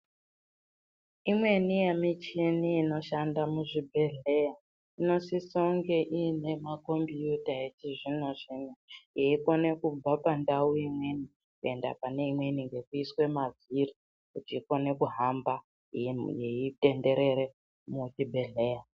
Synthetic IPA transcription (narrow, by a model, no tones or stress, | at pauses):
imwe̞nijemit͡ʃiniːno̞ʃandamuʐibʱe̞ɮe̞ja | ino̞sisoŋɡe̞ʔine̞mako̞mbijutaetiʐino̞ʐ̥inajeiko̞ne̞kub͡vapandauimwe̞ni | kue̞nda̰pane̞imwe̞niŋɡe̞kuiswe̞maviri | kutiːko̞ne̞kuɦamba | jeite̞nde̞ɾe̞ɾe | mutibʱe̞ɮe̞ːja